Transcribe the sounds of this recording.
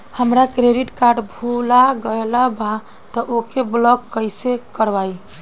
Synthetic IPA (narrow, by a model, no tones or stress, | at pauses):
həmɾakɾeɖiʈkaɾɖbʱulaɡəelaba | t̪ɔʔokeblɔkːəjsekəɾbaj